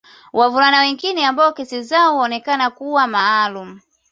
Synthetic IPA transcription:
wʔavulanawɛŋɡinɛambaɔkɛsizaɔwaːnɛkanakuwamaːlum̩

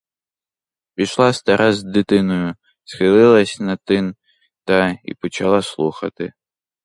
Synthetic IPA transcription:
pʲiʃlˠast̪ɐɾʔazʲd̪ɨt̪ɪnɔjʊ | sxɨlˠɪlˠɐsʲnɐt̪ɪn | t̪ɐḭpɔt͡ʃɐlˠaslˠuxɐ̰t̪ɨ

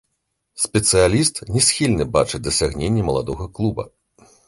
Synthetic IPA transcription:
sʲpʲɛt̪sɨjalʲist̪nʲɛsʲxʲilʲnɨbat͡ʂɨd̪ɐsʲaɣnʲenʲːɐmɐlˠad̪ɔɣɐklˠubɐ̰

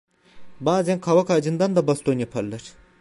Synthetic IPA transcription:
baːzænkʰavakʰaːd͡ʒɯnd̪and̪abast̪ʰonjapʰaɾlˠaɾ̥

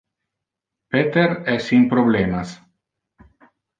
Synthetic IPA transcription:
pet̪eɾɛsimpɾoblemas

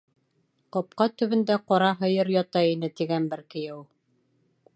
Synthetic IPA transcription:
qɒp̚qɑt̪ɵ̆βɘ̆nd̪æqɒɾɑɦɤ̆jɤɾjɒt̪ɑjinɘt̪iɡænbɘɾkɘ̆jɘw

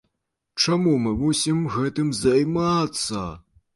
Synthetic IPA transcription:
t͡ʂamumɨmusʲimɣɛt̪ɨmzajmat̪sːɐ̰

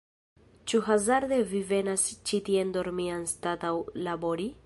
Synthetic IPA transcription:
t͡ʃuɦazaɾdevive̞nast͡ʃitiendoɾmianstatawlabo̞ɾi

